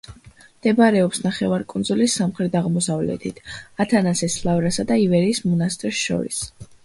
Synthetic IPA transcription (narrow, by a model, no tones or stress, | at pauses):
md̪̥ɛbaɾɛɔpsnaχɛvaɾkʼund̪zulisamχɾɛd̪aʁmɔsavlɛ̰t̪ʰit̪ʰat̪ʰanasɛslˠavɾasad̪aivɛɾiːsmɔnast̪ʼɾsʃɔ̰ɾḭs